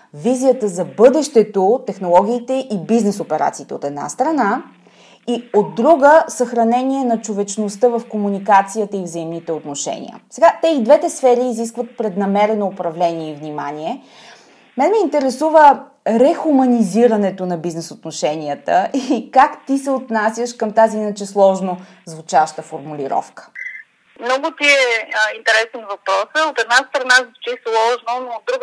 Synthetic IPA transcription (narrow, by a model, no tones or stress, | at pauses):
vizijət̪əzɐbɤd̪ɛʃt̪ɛt̪ot̪ɛxnolˠɔɡ̟ʲiːt̪ɛʔibiznɛsopɛɾa̰t̪siːt̪ɛot̪ɛd̪na̰st̪ɾɐna | iod̪ːɾuɡəsɐxɾɐnɛniɛnɐt͡ʃovɛt͡ʃnost̪ɤvɐfkomunikat̪sijət̪əivzəimnit̪ɛot̪noʃɛ̰nʲḭə̰sɛɡat̪ɛid̪vɛt̪ɛsfɛɾiːzis̬kvət̪̚pɾɛd̪nɐmɛɾɛnoːpɾɐvlɛniɛivnima̰niɛ | mɛnmɛint̪ɛɾɛsuvə | ɾɛxumɐniziɾɐnɛt̪onɐbiznɛsot̪noʃɛnʲiət̪ə̰ʔikakt̪isɛot̪nasʲjəʃkəmt̪aziinət͡ʃɛslˠɔʒno | zvut͡ʃavʃt̪əfoɾmulʲiɾɔ̰fkə̥ | mnɔɡʊt̪iɛint̪ɛɾɛsɛnvɐpɾɔsəot̪ɛd̪nast̪ɾɐnazvut͡ʃɛslˠɔʒnonoːd̪̚ːɾuɡ